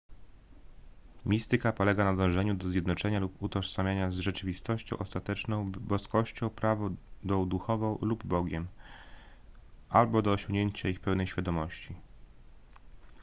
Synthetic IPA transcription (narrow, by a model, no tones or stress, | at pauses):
mʲist̪ɘkapɔlɛɡanad̪ɔ̃w̃ʐɛɲud̪ɔzʲjɛd̪nɔt͡ʂɛɲaluput̪ɔʂsamʲjaɲazʐɛt͡ʂɘvʲist̪ɔɕt͡ɕɔ̰̃w̃ʔɔst̪at̪ɛt͡ʂnɔ̃w̃bɔskɔɕt͡ɕɔ̃w̃pɾavɔd̪ɔd̪uxɔvɔ̃w̃lubbɔɡʲjɛm | ʔalbɔd̪ɔːɕɔ̃ŋɡɲeɲt͡ɕaixpɛwnɛjɕfʲjad̪ɔmɔɕt͡ɕi